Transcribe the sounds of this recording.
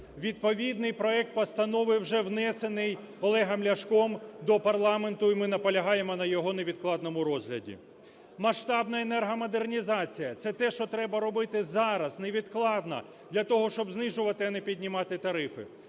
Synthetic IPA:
ʋʲid̪pɔʋʲid̪nɪjpɾɔɛk̚t̪̚pɐst̪ɐnɔʋɪwʒɛwnɛsenɪj | ɔlˠɛɦɐmlʲɐʃkɔmd̪ɔpɐrlˠɑment̪ʊimɪnɐpɔlʲɐɦɑjemɔnɐjɔɦɔneʋʲid̪klˠɑd̪nɔmʊɾɔzɦlʲɐdʲḭ | mɐʃt̪ɑbnɐenɛrɦɐmɔd̪ernʲizɑt͡sʲijɐt̪sɛt̪ɛʃt͡ʃɔt̪ɾɛbɐɾɔbɪt̪ɪzɑɾɐzneʋʲid̪klˠɑd̪nɐ̰ | d̪lʲɐt̪ɔɦɔʃt͡ʃɔbznɪʒʊʋɐt̪ɪɐnɛpʲidʲnʲɪmɑt̪ɪt̪ɐɾɪfɪ̰

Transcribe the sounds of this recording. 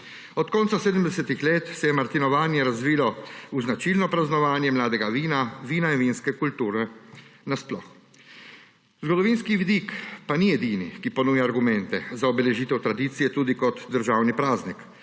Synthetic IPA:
ɔt̪kɔːnt̪saseːd̪əmd̪ɛsɛt̪ixleːt̪sɛjɛmaɾt̪inɔʋaːnjɛɾazʋiːlɔuznat͡ʃilnɔpɾaznɔʋaːnjɛmlaːd̪ɛɡaʋiːnaʋiːnainʋinskɛkult̪uːɾɛnasplɔ̰x | zɡɔd̪ɔʋiːnskiʋid̪ikpanijɛd̪iːnḭkipɔnuːjaːɾɡumɛnt̪ɛzaɔbɛlɛʒiːt̪ɛwt̪ɾad̪iːt̪sijɛt̪uːd̪ikɔt̪d̪əɾʒaːwnipɾaːznik

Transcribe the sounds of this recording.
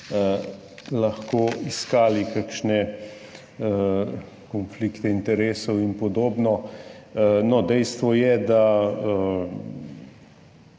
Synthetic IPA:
lɐxkoːiskaːlikakʃnɛ | kɔnflikt̪ɛint̪ɛɾeːsɔwinpɔd̪oːbnɔ | nɔd̪ɛjst̪ʋɔjɛd̪a

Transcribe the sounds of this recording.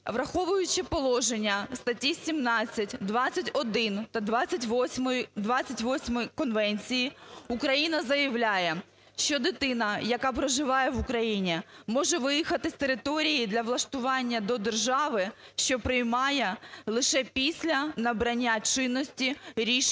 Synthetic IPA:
ʋɾɐxɔʋʊjʊt͡ʃɪpɔlˠɔʒenʲːɐst̪ɐtʲːisʲimnɑt͡sʲːɐtʲd̪ʋɑt͡sʲːɐtʲɔd̪ɪnt̪ɐd̪ʋɑt͡sʲːɐtʲʋʲmjd̪ʋɑt͡sʲɐtʲʋɔsʲmɔjkɔnʋɛnʲt͡sʲijiukɾɐjinɐzɐjɐʋlʲajɛ | ʃt͡ʃɔd̪ɪt̪ɪnɐjɐkɑpɾɔʒɪʋɑjɛʋukɾɐjinʲimɔʒɛʋɪjixɐt̪ɪsʲt̪eɾɪt̪ɔɾʲijid̪lʲɐʋlˠɐʃt̪ʊʋɑnʲːɐd̪ɔd̪erʒɑʋɪʃt͡ʃɔpɾɪjmɑjɛlˠɪʃɛpʲisʲlʲɐnɐbɾɐnʲːat͡ʃɪnːɔsʲtʲiɾʲiʃ

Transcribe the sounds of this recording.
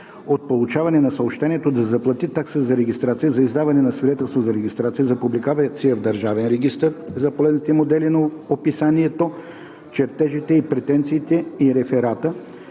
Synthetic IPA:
ot̪̚polˠut͡ʃavɐnɛnɐsɐopʃt̪ɛniɛt̪od̪ɐzɐplˠɐt̪it̪aksəzɐɾɛɡʲist̪ɾat̪sijəzɐizd̪avɐnɛnɐsvid̪ɛt̪ɛlˠst̪vozɐɾɛɡʲist̪ɾat̪sijəzɐpublikavɐt̪sijəvd̪ɐɾʒavɛnɾɛɡʲist̪əɾzɐpolɛznit̪ɛmod̪ɛlinɐopisaniɛt̪o | t͡ʃɛɾt̪ɛʒit̪ɛipɾɛt̪ɛnt̪siːt̪ɛiɾɛfɛɾat̪ə

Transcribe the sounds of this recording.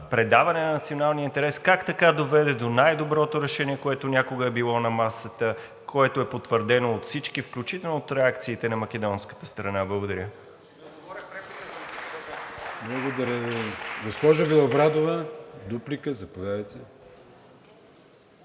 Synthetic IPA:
pɾɛd̪avɐnɛnɐnɐt̪sionalˠniəint̪ɛɾɛskakt̪ɐkad̪ovɛd̪ɛd̪onajd̪obɾɔt̪oɾɛʃɛniɛkoɛt̪onʲakoɡəɛbilˠɔnɐmasət̪ə | kʰoɛt̪oɛpot̪vəɾd̪ɛnoːt̪fsit͡ʃkifklʲut͡ʃit̪ɛlˠnoot̪ɾɛakt̪siːt̪ɛnɐmɐk̟ɛd̪ɔnskə̥t̪əst̪ɾɐnablˠəɡod̪ɐɾʲə | pɾɛ | blˠɐɡod̪ɐɾʲəɡospɔʒɐvilˠɐbɾad̪ovəd̪uplikəzɐpɐd̪adəjt̪ɛ

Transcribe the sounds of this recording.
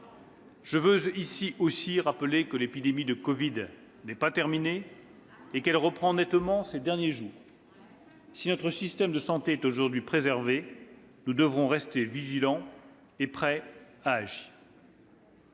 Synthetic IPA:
ʒ̥əvøzisiʔosiʁapəlekəlepid̪emid̪əkɔvid̪ | nɛpat̪ɛʁmineː | kɛlʁəpχɑ̃nɛt̪mɑ̃sed̪ɛʁnjeʒuːʁ | sinɔt̪χəsist̪ɛmd̪əsɑ̃t̪eɛt̪oʒuʁd̪ɥipχezɛʁve | nud̪əvʁɔ̃ʁɛst̪eviʒilɑ̃ | epχɛ | aːʒiːʁ

